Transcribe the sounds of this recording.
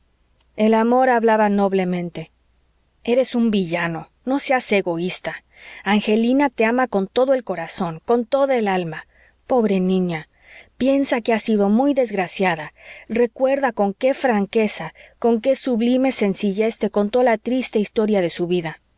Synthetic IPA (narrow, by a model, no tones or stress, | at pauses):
e̞lamo̞ɾaβlaβano̞βle̞mẽ̞nt̪e̞ | e̞ɾe̞sumbiʝano̞ | no̞sease̞ɣo̞ist̪a | aŋxe̞linat̪e̞amako̞nt̪o̞ðoe̞lko̞ɾaso̞ŋko̞nt̪o̞ðaelalma | po̞βɾe̞nĩɲa | pje̞nsake̞asiðo̞mujðe̞zɣɾasjaðare̞kwe̞ɾðako̞ŋke̞fɾaŋke̞sako̞ŋke̞suβlime̞se̞nsiʝe̞st̪e̞ko̞nt̪oðaat̪ɾist̪e̞ist̪o̞ɾjaðe̞suβiða